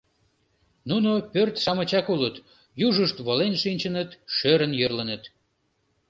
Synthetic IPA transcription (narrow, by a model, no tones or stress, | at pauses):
nunopørt̪ʃɑmət͡ɕɑkulət̪ | juʒəʃt̪βolenʃinʲt͡ɕənət̪ʃøɾənjørlənət̪